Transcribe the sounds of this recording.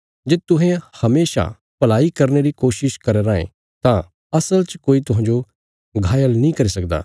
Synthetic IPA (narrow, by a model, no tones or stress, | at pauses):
d͡ʒeːt̪ʊɦẽhɐmeːʃa̰ | pɐlaːikɐɾneɾikoːʃɪʃkɐɾeɾãːḛ̃ | t̪ã | ɐsəlt͡ʃkoːit̪ʊɦãːɲd͡ʒo | ɡʱaːjəlnĩkɐɾisɐk̚d̪a̰ː